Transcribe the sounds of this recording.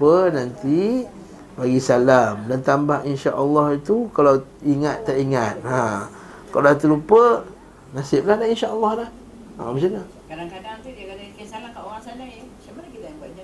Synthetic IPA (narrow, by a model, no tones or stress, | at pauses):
pənant̪i | baɡisalamdant̪ambahinʃaʔəlːɑhit̪ukalawiŋat̪ːaʔiŋat̪̚ha | kalat̪ulupə | nasɪp̚lahdahinʃaʔəlːɑhdah | a̰misana | kadaŋkadaŋt̪udiakadaikasalamkaʔoɣaŋsanaimat͡ʃamanakit̪ajaŋbaa